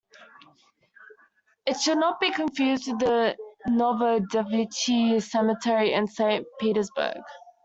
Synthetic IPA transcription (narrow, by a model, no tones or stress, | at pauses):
ɪtʃəlnət̚b̥ikʰə̃ɱfjʉːztʰəðənɔvəldɛbjutʰisɛmətʰɛɹiɪ̃nsẽɪ̃ntpʰiˑɾəzbə̰ɡ̥